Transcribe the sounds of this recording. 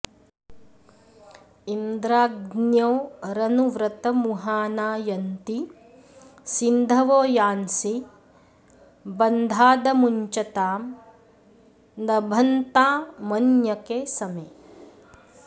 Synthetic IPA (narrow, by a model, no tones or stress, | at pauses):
ind̪ɾaːɡnjoːɾɐnuʋɾɐt̪ɐmuɦaːnaːjɐnt̪i | sind̪ʱɐʋoːjaːnsi | bɐnd̪ʱaːd̪ɐmuɲt͡ʃɐt̪aːm | nɐbʱɐnt̪aːmɐnjɐkeːsɐmeː